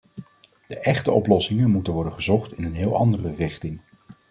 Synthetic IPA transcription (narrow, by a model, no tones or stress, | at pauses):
d̥əʔɛχtəɔplɔsɪŋənmutənʋɔɹdəχəzɔχtɪnənɦɪːlˠɑ̰ndərərɪχtɪŋ